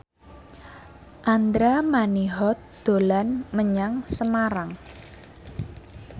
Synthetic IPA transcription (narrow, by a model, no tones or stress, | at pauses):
ʔand̪ɾamaniɦɔt̪̚d̪̥o̤lanməɲaŋsəmaɾaŋ